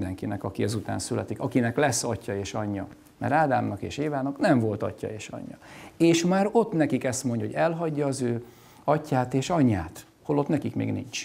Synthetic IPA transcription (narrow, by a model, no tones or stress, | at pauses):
d̪ɛŋkinɛkɒkiɛzut̪a̰ːnsylɛt̪ikɒkinɛklɛsːɒcːɒeːʃɒɲːɒ | mɛ̰ɾaːd̪aːmnɒkḛːʃeːvaːnɒknɛɱvo̞lt̪ɒ̰cːɒ̰eːʃɒ̰ɲːɒ̰eːʃmaːɾo̞t̪nɛkikɛst̪mo̞ɲɟho̞ɟɛlɦɒɟːɒːzøː | ɒcːaːt̪eːʃɒɲːaːt̪ | ho̞lo̞t̪nɛkikmḛːɡnḭɲt͡ʃ